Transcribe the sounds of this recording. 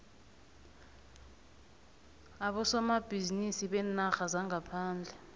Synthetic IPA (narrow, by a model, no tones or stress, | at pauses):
aɓɔsɔmab̥ʱizinisiɓɛnaxazaŋapʰaːnd͡ɮʱɛ